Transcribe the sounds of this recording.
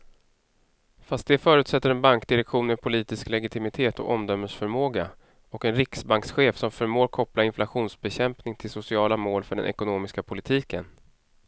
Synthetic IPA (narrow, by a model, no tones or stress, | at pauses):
fast̪̚d̪ɛfœːɾʉ̟ːt̪sɛt̪ːəɾɛnbaŋk̚d̪ɪɾɛkɧuːnɛpʰʊliːt̪ɪsklɛɡɪt̪ʰɪmɪt̪ʰeːt̪ɔ̰kɔmd̪œmːəʂfœɾmoːɡa | ɔkɛnɾɪksbaŋksɧeːfsɔmfœɾmoːɾkʰɔplaɪnflaɧuːnsbɛɕɛmpnɪŋt̪ʰɪlsʊsɪɑːlamoːlfœɖɛ̰nʔɛ̰kʊnoːmɪskapʰʊlɪt̪ʰiːkə̰n